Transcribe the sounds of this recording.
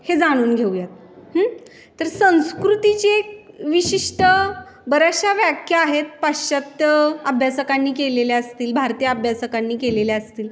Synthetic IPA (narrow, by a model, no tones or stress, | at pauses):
hed͡zaɽ̃uːnɡʱewjat̪̚ | hː | əɾsə̃w̃skɾut̪it͡ɕe | ʋiɕiʂʈə | bəɾaɕaʋjakʰjəaɦet̪̚paɕət̪əbʱjasəkanːiːkeleleəst̪iːlbʱaɾt̪ijəəbʱjasəkanːiːkeleleəst̪iːl